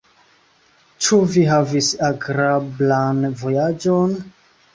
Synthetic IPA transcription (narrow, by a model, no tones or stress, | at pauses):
t͡ʃuviɦavisaɡɾablanvo̞jad͡ʒon